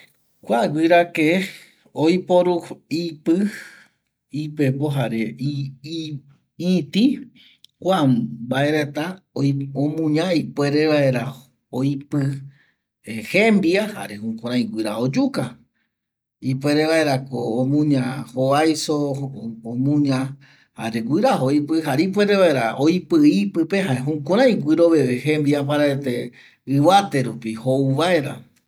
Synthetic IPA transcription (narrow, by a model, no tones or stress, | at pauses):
kʷaɡʷiɾake | ojpoɾuipɨ | ipepoɦaɾe | ĩt̪i | kʷambaeɾet̪a | õmũɲãipwe̞ɾeʋaeɾa | ojpɨ | ehembiaha̰ɾehũkʷõɾ̃ãj̃ɡʷiɾa̰hod͡ʒuka | ipwe̞ɾeβae̞ɾakoːmũɲãhoajsoõmũɲã | ha̰ɾeɡʷiɾahoipɨɦaɾeip̬we̞ɾe̞βae̞ɾa̰ojpɨipɨpeɦaeɦũkõɾ̃ãj̃ɡʷiɾo̞βeβehẽ̞mbiapaɾaet̪e | ɨβat̪e̞ɾupihouβae̞ɾa̰